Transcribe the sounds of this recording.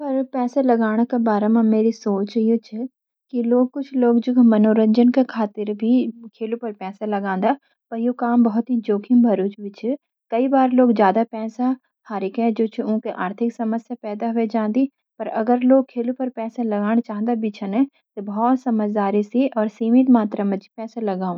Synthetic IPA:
pɐɾpɛːselɐɡaːɽ̃kebaːɾemãmeːɾisoːt͡ʃijot͡ʃʰɪ | kiloːɡ̚kʊt͡ʃʰloːɡd͡ʒʊkʰmɐnoːɾə̃ɲd͡ʒənkekʰaːt̪ɪɾbʱikʰeːlupɐɾpɛːsalɐɡãːn̆d̪a | pɐɾjokaːmbɐɦʊt̪ɦid͡ʒoːkʰĩmbʱɐɾuːt͡ʃbɪt͡ʃʰɪ | kɐibaːɾloːɡzjaːd̪apɛːsa | haːɾɪkɛ̃d͡ʒoːt͡ʃʰiʊ̃ɦkeʔaːɾt̪ʰɪksɐməsjapɛːd̪aɦʊed͡ʒãːnd̪i | pɐɾɐ̰ɡəɾloːɡ̚kʰːeːlupɐɾpɛːsalɐɡaːɽ̃t͡ʃaːɦnd̪abʱit͡ʃʰɐnɛ̃ | t̪obʱɔːt̪sɐməd͡ʒd̪aːɾisiʔɔːɾsiːmɪt̪maːt̪ɾamɛ̃d͡ʒipɛːsalɐɡaːũ

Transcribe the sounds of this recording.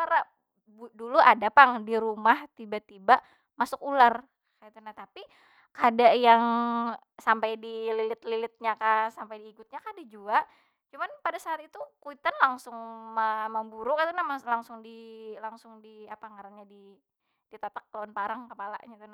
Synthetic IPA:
aɾa | buduluʔadapaŋdiɾumaht̪ibat̪ibaʔ | masʊkular | kait̪unaht̪api | kadaʔjaŋ | sampajdililɪt̪lilɪt̪̚ɲakasampajdiːkʊt̪̚ɲakadad͡ʒuaʔ | t͡ʃumanpadasaat̪̚it̪ukuit̪anlaŋsʊŋməməbuɾʊkat̪unamalaŋsʊŋdilaŋsʊŋdiapaŋaɾaɲadi | d̥it̪at̪ak̚ːlonpaɾaŋkəpala̰ʔɲait̪una

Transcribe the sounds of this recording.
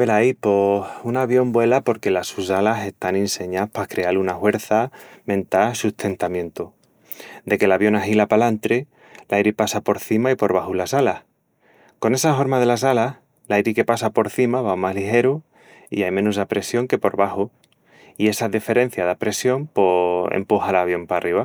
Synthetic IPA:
belaipo̞sunaβ̞jo̞mbwe̞lapo̞ɾke̞lasusalase̞st̪aninse̞ɲapakɾe̞alunahwe̞ɾθamẽ̞nt̪asuht̪ʰe̞nt̪amjẽ̞nt̪o | d̪e̞ke̞laβjo̞naɦilapalant̪ɾe | lʔajɾipasapo̞ɾθimaipo̞ɾβ̞ahulasalah | ko̞ne̞saɦo̞ɾmaðe̞lasalah | lajɾike̞pasapo̞ɾθimaβamazlixe̞ɾu | ḭajmẽ̞nusapɾe̞sjo̞ŋke̞po̞ɾβahu | ie̞saðife̞ɾe̞n̟θjaðapɾe̞sjo̞mpo̞ḛmpuhalaβ̞jo̞mparʔiβ̞a

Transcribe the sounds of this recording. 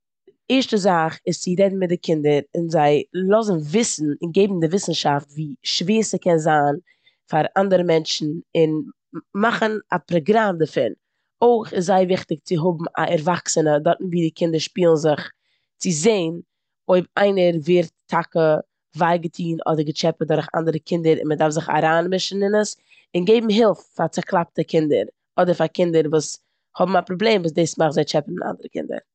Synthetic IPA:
ɪɾʃtəzaχɪst͡sɪɾɛdn̩mɪt̚dɪkʰɪndəɾɪnzaɪlˠɔzn̩vɪsn̩ɪnɡeɪbm̩dɪvɪsn̩ʃaftviːʃveːsəkʰɛnzaːn | faɾandəɾəmɛnt͡ʃn̩ɪn | maχənapɾɔɡɾamdəfɪɾ | oɪχɪszaɪvɪχtɪkt͡sɪɦʊbm̩a̰ʔɛɾvaksənədɔɾtn̩viːdɪkʰɪndəɾʃpiːlˠn̩zɪχ | t͡sɪzeɪn | oɪbaɪnəɾveːɾtʰːakə | vaɪɡətʰiːnʔɔ̰dəɾɡət͡ʃɛpədɔɾχa̰ndəɾəkʰɪndəɾɪ̰nmədaɾfzɪχa̰ɾaːnmɪʃn̩ɪnəs | ɪnɡeɪbm̩ɦɪlˠffat͡saklˠap̚təkʰɪndə̰ɾ | ɔdəɾfakɪndəɾvuːs | hɔbm̩apɾoblˠeːmvuːs̬deːsmaχzaɪt͡ʃɛpn̩ɪʔa̰ndəɾəkɪ̰ndə̰ɾ

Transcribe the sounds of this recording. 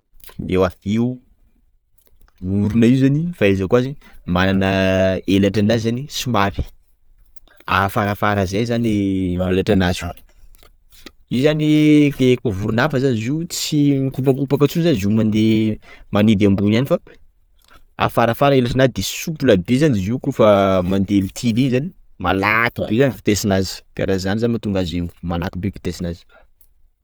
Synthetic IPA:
ewaviu | uɾunaiwzanifaizakuazimananəelaʈ͡ʂanazanisimavi̥ | a̰faɾafaɾazajzaniaelaʈ͡ʂanazu | izanitekuvuɾunafəzanizit͡sikupaupakat͡sunzanzimand̪emanid̪ambunanifa | a̰faɾafaɾaelasanad̪esupulad̪ezaniziwkufəmand̪elit̪ʰilizani̥ | ma̰lat̪ubezaniki̥t̪esinazi̥d̪̥a̰ɾazanizanimat̪uŋɡaziwmalakibeki̥t̪esinazi̥

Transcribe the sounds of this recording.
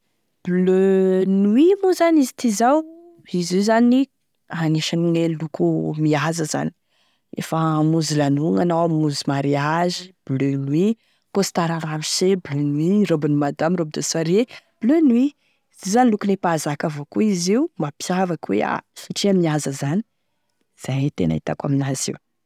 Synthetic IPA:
b̥lønuwimuzanizi̥t̪izaw | izizani | aneʃaniŋelukʰumiazəza̰ni̥ | ḛfamuzilanuŋanawamuzimaɾiaʒib̥lønwi | kosi̥t̪aɾaɾamiseblønwirobinimad̪amɾob̚d̪asaɾeb̥lønwi | zizanilukunepazakavokuiziumapjavakwḛa̰siʈ͡ʂiamiazəzani̥ | z̥ajt̪ena̰it̪a̰kaminazḭu

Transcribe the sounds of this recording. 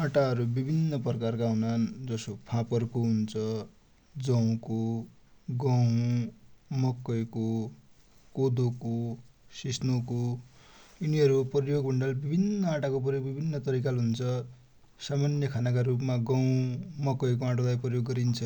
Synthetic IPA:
ãʈaɦʌɾubibʱinːʌpʌrkarkaɦunand͡zʌsopʰãpʌrkoɦunt͡sʰʌ | d͡zʌw̃ko | ɡʌw | mʌkːʌjko | kod̪okosisnoko | uniɦʌɾuprjoɡbʱʌɳɖʌlbibʱinːʌaʈakopʌjobibʱinːʌt̪ʌɾikalɦunt͡sʰʌ | samanjʌkʰanak̬aɾup̬maɡaw̃mʌkʌjk̬oãʈolajprʌjoɡːʌɾint͡sʰʌ

